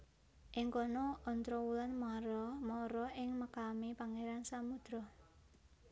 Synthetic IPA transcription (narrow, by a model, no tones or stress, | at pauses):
ʔɪŋkɔnɔɔnt̪ɾɔwulanmaɾɔmɔɾɔɪŋməkamipaŋeɾansamud̪̥ɾɔ